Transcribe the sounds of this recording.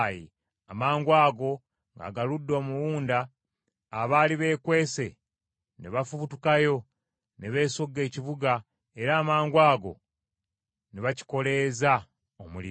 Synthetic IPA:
ji | amaːŋɡwaːɡo̞ | ŋɡa̰ːɡaludːo̞ːmuwuːndaː | βaːliβe̞ːkwe̞ːse̞ | neβafuβutukajo̞ | neβe̞ːsoɡe̞ːciβuɡa | e̞ɾaːmaːŋɡwaːɡo̞̰ | neβaci̥ko̞le̞za | omulḭ

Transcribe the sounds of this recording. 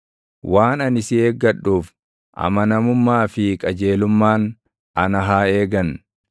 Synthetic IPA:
wʔaːnɐnɪsɪeːɡːɐɗːuːf | ʔɐ̰mɐnɐmʊmːaːfɪkʼɐd͡ʒeːlʊmːaːn | ɐnɐɦaːeːɡɐn

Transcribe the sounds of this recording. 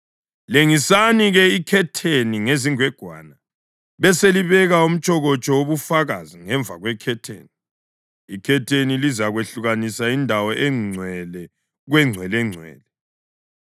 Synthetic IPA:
leŋisaniɣɛikʰɛtʰeniŋeziŋwɛɡ̥ʱwa̰ːna | βɛseliβɛɣaum̩t͡ʃʼɔɣɔt͡ʃʼɔwoβufaɣaziŋɛɱvʱaɣwɛkʰɛtʰḛːni | ikʰɛtʰenilizaɣweɬuɣanisaindʱawɔʔɛŋ͡ǀʱwɛlɛ | ɣwɛŋ͡ǀʱwɛlɛŋ͡ǀʱwɛ̰ːlɛ

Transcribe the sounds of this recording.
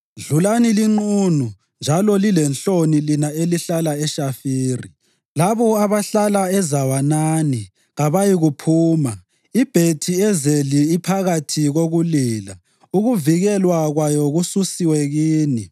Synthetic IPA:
ɮulaniliŋ͡ǃunu | nd͡ʒʱalɔlilɛnɬonilinaeliɬalaɛʃafiːrḭ | laβɔaβaɬalaɛzawanaːni | ɣaβajiɣupʰuːma | ib̥ʱetʰiɛzeliːpʰaɣatʰiɣoɣuliːla̰ | uɣuviɣɛlwaɣwajɔɣususiwɛɣiːni

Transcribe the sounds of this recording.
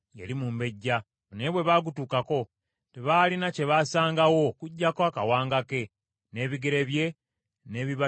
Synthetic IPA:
jḛlimumbe̞ɟːa | neβwe̞βaːɡutuːkako̞ | teβaːlinace̞βaːsaːŋɡawo̞kuɟːakoakawaːŋɡake̞ | ne̞ːβiɡe̞ɾe̞βje̞ | ne̞ːβiβa

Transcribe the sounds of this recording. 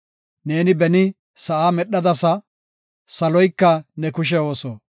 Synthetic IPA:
ne̞ːnɪbɛnɪ | sɐʔaːmɛɗːɐd̪ɐsɐ | sɐlɔjkːɐnɛkʊʃ̬ɛo̞ːso

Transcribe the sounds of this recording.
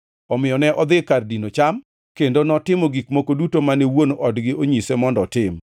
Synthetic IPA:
ɔmɪjɔnɛʔɔd̪ɪkardinot͡ʃam | kendonɔtɪmoɡikmokodutomanɛwonʔɔdɡɪoɲisemɔndɔtɪm

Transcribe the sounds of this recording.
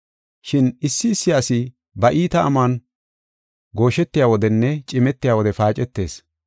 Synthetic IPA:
ʃɪnɪsːɪːsːɪjaːsɪ | bɐʔiːt̪ɐːmaːn | ɡo̞ːʃɛt̪ːɪjaːwɔd̪ɛnːɛt͡ʃʼɪmɛt̪ːɪjaːwɔd̪ɛfaːt͡ʃʼɛt̪ːe̞̰ːs

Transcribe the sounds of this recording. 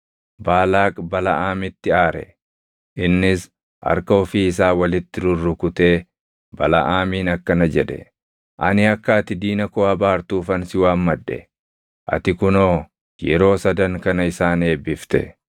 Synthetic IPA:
baːlaːkʼbɐlɐʔaːmɪt̪ːɪaːɾɛ̰ | ʔɪnːɪs | ʔɐ̰ɾkɐɔfiːɪs̬aːwɐlɪt̪ːɪɾʊrːʊkʊt̪e̞ː | bɐlɐ̰ʔaːmiːnɐkːɐnɐd͡ʒɛd̪ɛ̰ | ʔɐ̰nɪɐkːɐɐt̪ɪd̪iːnɐkɔːhɐbaːɾt̪uːfɐnsɪwaːmmɐᶑːɛ̰ | ʔɐ̰t̪ɪkʊnoː | jɛ̰ɾo̞ːsɐd̪ɐŋkɐnɐɪsaːne̞ːbɪft̪ɛ̰

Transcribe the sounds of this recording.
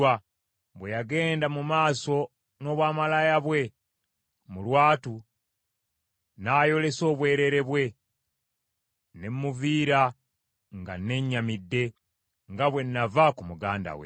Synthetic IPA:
a | βwejaɡe̞ːndamumaːso̞ | no̞ːβwaːmalajaβwe̞ | mulwaːtu | naːjo̞le̞so̞ːβwe̞ːɾe̞ɾe̞βwe̞ | ne̞mmuviːɾa | ŋɡa̰nːe̞ɲːamidːe̞ | ŋɡaβwe̞nːavakumuɡaːnda̰wḛ

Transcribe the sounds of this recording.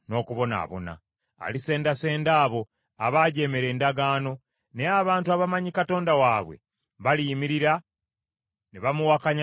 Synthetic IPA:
no̞ːkuβo̞na̰ːβo̞̰na̰ː | lise̞ːndase̞ːndaːβo̞ | aβaːɟe̞ːmeɾe̞ːndaɡaːno̞ | neaβaːntuaβamaɲikato̞ːndawaβwe̞̰ | βaliːmiɾiɾa | neβamuwakaɲa

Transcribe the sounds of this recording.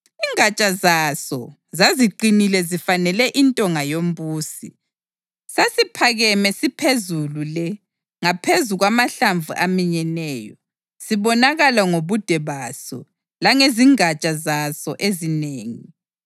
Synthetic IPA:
iŋat͡ʃʼazasɔ | zaziǃinilɛzifanɛlɛʔintʼɔŋajom̩buːsi | sasipʰaɣɛmɛsipʰezululɛ | ŋapʰezuɣwamaɬaɱvuʔamiɲɛnɛːjɔ̰ | siβɔnaɣalaŋoβud̥ʱɛβaːsɔ̰ | laŋeziŋat͡ʃʼazasɔʔezineːŋi

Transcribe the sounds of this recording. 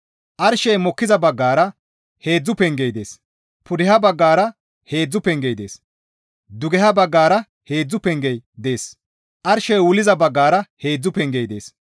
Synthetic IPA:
ʔɐɾʃɛjmɔkːɪzɐbɐɡːaːɾɐ | he̞ːd͡zːʊpɛŋɡejd̪e̞̰ːs | pʊd̪ɪhɐbɐɡːaːɾɐ | he̞ːd͡zːʊpɛŋɡejd̪e̞ːs | d̪ʊɡɛhɐbɐɡːaːɾɐ | he̞ːd͡zːʊpɛŋɡɛjd̪e̞ːs | ʔɐɾʃɛjwʊlɪzɐbɐɡːaːɾɐhe̞ːd͡zːʊpɛŋɡejd̪e̞ːs

